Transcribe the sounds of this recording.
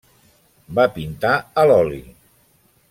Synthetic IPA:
bapint̪aəlɔlḭ

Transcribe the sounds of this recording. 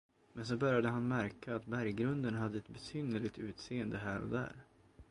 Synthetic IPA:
mɛns̬ɔbœɾjad̪əɦanmæɾkaːt̪bæɾjɡɾɵnd̪ənɦad̪ːəɛt̪̚bɛsyːnəɭɪɡt̪ʉ̟ːt̪seːənd̪əɦæːɾɔ̰d̪æ̰ːɾ

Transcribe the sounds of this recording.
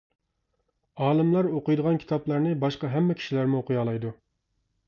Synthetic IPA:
ɑːlˠɨmlˠɑɾoqʊjd̪əʁɑnkʲʰt̪ɑplˠɑɾnɨbɑʃqɑɦɛmːɛkʲʰi̥ʃilæɾmuoqʰʊjɑːlˠɑjd̪u

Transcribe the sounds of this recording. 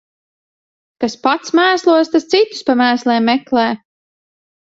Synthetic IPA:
kaspat̪smæːslˠuɔst̪ast̪sit̪u̥spamæːslɛːmːɛklɛː

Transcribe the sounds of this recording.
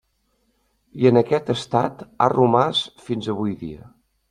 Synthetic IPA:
iənəkɛt̪əst̪a̰t̪a̰rumasfinzəβujðḭə̰

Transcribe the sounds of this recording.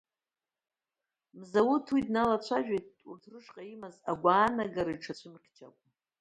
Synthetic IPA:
mzawutʰwidnalat͡ɕʷʰaʒᶣejt̚urtʰrɨʂqʼaimazaɡʷaːnaɡaɾaiʈ͡ʂʰat͡ɕʷʰɨmqʲʰt͡ʃʰa̰kʷʼ

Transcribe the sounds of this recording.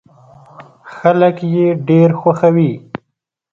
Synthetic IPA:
xaləkjeɖeɾxwaxawi

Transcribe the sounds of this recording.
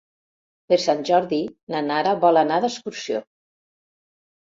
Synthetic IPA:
peɾsanʲʒɔɾðinanaɾaβɔlanaðəskuɾsjo̰

